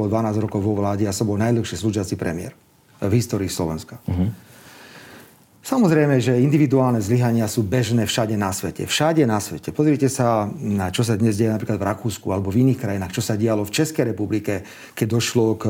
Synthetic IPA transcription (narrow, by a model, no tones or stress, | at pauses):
ɔd̪ʋanaːzɾɔkɔʊʋɔʋlaːɟɛasɔbɔlnaj̪ləxʃisluʒɪat͡sipɾɛ̰mɪɛ̰ɾ | vɦist̪ɔːɾiːslɔʋɛ̰nska | samɔzɾɛjmɛʒɛind̪iʋid̪uaːlnɛzliɦaɲɪasuːbɛʒnɛːfʃaɟɛnasʋɛcɛ̰fʃaɟɛnasʋɛcɛpɔzɾɪcɛsanat͡ʃɔs̬ad̪ɲɛzɟɛjɛnapɾiːklad̪vɾakuːskualɛbɔviniːxkɾajinaːxt͡ʃɔsaɟɛalɔft͡ʃɛskɛjɾɛpublikɛ | kɛɟ̚d̪ɔʃlɔk